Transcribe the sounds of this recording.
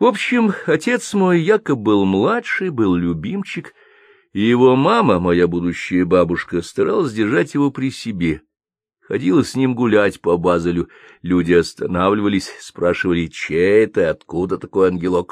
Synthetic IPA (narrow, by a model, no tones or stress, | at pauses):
vo̞pɕːɪmɐtʲe̞t̪smo̞jːakəbɨlˠmlˠatʂɨjbɨlˠlʲʊbʲimt͡ɕɪk | ɪjɪvo̞maməmɐjabud̪ʊɕːɪjəbabʊʂkəst̪ɐɾalˠəsʲdʲɪrʐatʲjɪvo̞pɾʲɪsʲɪbʲe̞ | xɐdʲilˠəsʲnʲimɡʊlʲatʲpɐbazəlʲʊ | lʲudʲɪɐst̪ɐnavlʲɪvəlʲɪsʲspɾaʂɨvəlʲɪt͡ɕeɛt̪əɐt̪kud̪ət̪ɐko̞jɐnɡʲɪlˠok